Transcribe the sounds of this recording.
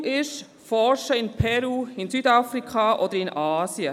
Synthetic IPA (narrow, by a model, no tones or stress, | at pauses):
ʔɪʃ | fɔɾʃəɪnpʰɛɾuːɪnsyːdafɾikʰχɑːʔɔd̥̪əɾɪnʔɑːsjə